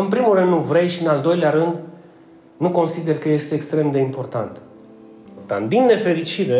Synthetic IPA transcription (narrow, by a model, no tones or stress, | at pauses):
ɨnpɾimulrɨnd̪nuvɾe̞jʃiɨnald̪o̞jleaɾɨnd̪ | nuko̞nsid̪e̞rkəje̞st̪eːkst̪ɾe̞md̪e̞impo̞rt̪ant̪ | iport̪a̰nt̪̚d̪inːe̞fe̞ɾit͡ʃiɾe